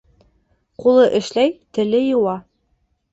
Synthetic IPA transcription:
qulˠɤʔɘ̆ʃlæjt̪ɘ̆lɘjɤ̆wɑ

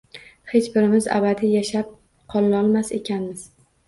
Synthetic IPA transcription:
het͡ʃbɪɾɪmɪza̰bad̪ɪjaʃap̚ | qʰɒlˠːɒlˠmasekʲʰanmɪz̥

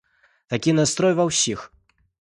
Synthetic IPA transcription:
t̪akʲinast̪ɾɔjvɐwsʲix

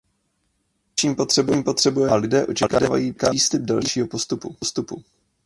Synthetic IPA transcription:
t͡ʃiːmpo̞t̪r̥ɛbujimpo̞t̪r̥ɛbujɛlɪdɛːʔot͡ʃɛkadava̰jikaːiːst̪ɪb̚dalʃiːɦopo̞st̪upuost̪upu

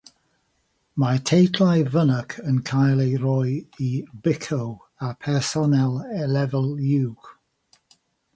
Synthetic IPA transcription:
matʰejtʰlajvənəkʰənkʰajlerɔːjibɪkʰow | apʰɛsɔnɛlˠɛlɛvəlˠjuːɡ̥

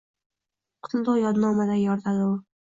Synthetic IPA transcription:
qʰʊ̥t̪ʰlˠd̪ojɒd̪nɒmad̪ajɒɾt̪ʰad̪ɪʊ

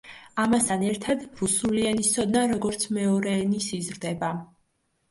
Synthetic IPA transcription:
amast̪ʰanɛɾt̪ʰad̪ɾusulianist̪sʰɔd̪naɾɔɡɔɾt̪sʰmɛɔɾɛːnisizɾd̪ɛba

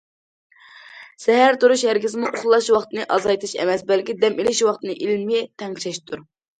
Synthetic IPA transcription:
sɛɦæɾt̪uɾuʃhæɾɡʲɪzmuʔoχlˠɑʃwɑχt̪ɨnɨʔɑzɑjt̪ʰɨʃɛ̰mɛsbɛlkʲid̪ɛmilɪʃwɑχt̪ɨnɨʔilmijɛt̪ʰɛŋt͡ʃʰɛʃt̪ʰuɾ

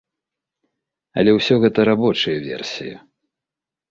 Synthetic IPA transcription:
ɐ̰lʲɛwsʲɔɣɛt̪ɐɾabɔt͡ʂɐjɐvʲɛ̰rsʲijɐ̰

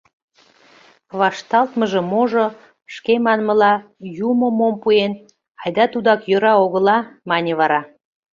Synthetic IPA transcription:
βɑʃt̪ɑlt̪məʒə̆moʒo | ʃkemɑnmə̆lɑ | jumomompuen | ɑjd̪ɑt̪ud̪ɑkjøɾɑoɣəlɑmɑnʲeβɑɾɑ

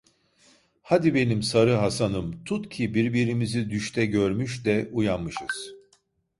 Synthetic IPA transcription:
had̪ibe̞nimsaɾɯɦasanɯmt̪ʰut̪cʰibiɾbiɾimizid̪yʃt̪ʰɛɟøɾmyʃ̬d̪ɛujanmɯʃɯz̥

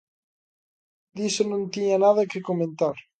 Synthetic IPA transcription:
d̪isonõnt̪iɲanaðakekomẽnt̪aɾ

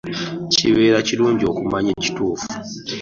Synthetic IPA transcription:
cḭβe̞ːɾaciluːɲɟio̞kumaɲeci̥tuːfu̥

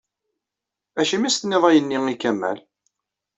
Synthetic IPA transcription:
æʃimisθnɪðˤæjənːiŋikæmːæ̰l

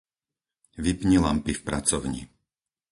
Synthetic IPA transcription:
ʋipɲilampifpɾat͡sɔʊɲḭ

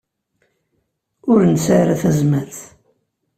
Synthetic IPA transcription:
ʊɾnsaɾæθæzmælθ

